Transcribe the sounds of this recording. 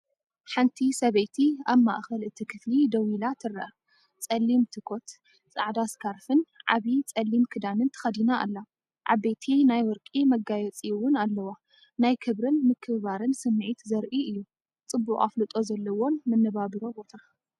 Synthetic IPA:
ħant̪ʰisɐβɐjt̪ʰiaβma̰ʔxɐlɨt̪ʰːikʰɨflid̪ɐwilat̪ʰɨɾːɐʔɐ | t͡sʼɐlːimt̪ʰɨkʰo̞t̪ | t͡sʼa̰ʕd̪askʰaɾfɨnʕa̰βit͡sʼɐlːimkʰɨd̪anɨnt̪ʰɨ̥xɐd̪inaʔːlːa | ʕa̰bejt̪ʰinajwɔɾkʼimɐɡajɛt͡sʼiwʊnalːɐwa | najkʰɨβɾɨnmɨkʰːɨββaɾɨnsɨmːɨʕit̪zɐɾʔiʔɨjːu | t͡sʼɨbːuχʼa̰flɨt̪ʼo̞zɐlːɐwo̞nmɐnːɐβabiɾo̞bo̞t̪ʰa

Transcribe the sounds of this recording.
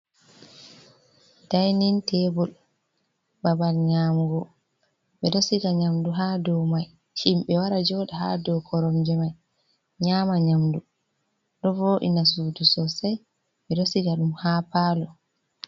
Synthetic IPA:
d̥ajnintɛbɔl | babalɲaːmɡɔ | ɓɛɗɔsiɡaɲamduɦadɔwmaj | himɓɛwaɾad͡ʒɔɗɛɦa̰dɔkʰɔɾɔmd͡ʒɛmaj | ɲaːmaɲamdu | ɗɔvoːʔḭnas̬uːdusɔsaj | ɓɛɗosiɡaɗumhaːpaːlɔ

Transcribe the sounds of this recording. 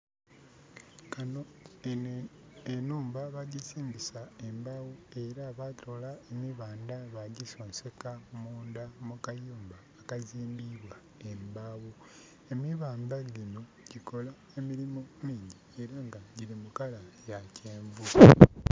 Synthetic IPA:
kano | enuːmbaβaɟiziːmbisae̞mbaːwue̞ɾaβatʰo̞laemiβaːndaβaɟiso̞ːnse̞kamuːndamukajuːmbaːkaziːmbiβwa | embawu | e̞miβaːmbaɟino | ɟ̥iko̞la | e̞miɾimoniːɲɟieɾaŋɡaɟiɾimukalajacʰeːɱvu

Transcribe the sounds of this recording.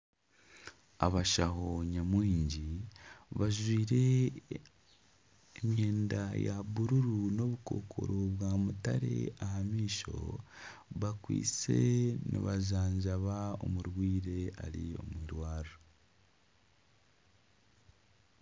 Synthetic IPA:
a̰βaʃaɦo̞ɲamwiːɲɟiβaʒwiːɾe̞ | emjeːndajaβuɾuɾuno̞βuko̞kʰo̞̰ɾo̞βwaːmutaɾe̞̰ahamiːʃo̞̰ | βakwḭːt͡se̞̰nḭβazaːɲɟaβao̞̰muɾwiːɾe̞a̰ɾio̞̰mwiːɾwaːɾo

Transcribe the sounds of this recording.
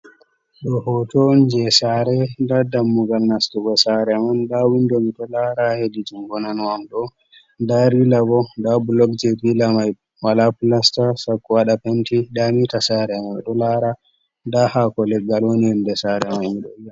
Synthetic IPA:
ɗɔhɔtɔnd͡ʒɛsaɾɛdadamːuɡalnastuɡɔsaɾɛmandawindɔmiɗɔlaɾahedid͡ʒimɡɔnanwamɗɔ | daɾilabɔdablɔk̚d͡ʒɛbilamaj | walaplastasakːwaɗapentidamitasaɾɛmajɗɔlaɾa | dahakɔlɛɡaloniɛndɛsaɾɛmaniɗɔija

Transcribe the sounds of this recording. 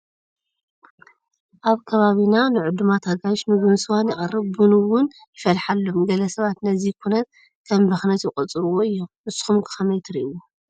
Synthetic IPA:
ʔaβkʰɐβaβinanɨʕʊd̪umat̪hɐɡaʃmɨɡɨnsɨwanjɪχʼɨrːɨβːɨnɨwʊn | jɪfɐlħalːo̞mɡɐlɐsɐβat̪nɐzikʰunɐt̪̚ | kʰɐmbɐxnɐt̪jɪkʼɐt͡sʼɨɾuwo̞ɨjːomɨsɨ̥xumkʰɨ̥xʰɐmɐjt̪ʰɨɾiʔiu

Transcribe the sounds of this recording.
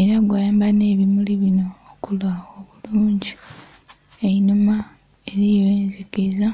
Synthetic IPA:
eɾaɡwajaːmbane̞ːβimuliβino̞ːkulwaoβuluːɲɟi | einoma | e̞ɾijoeːnzekeza

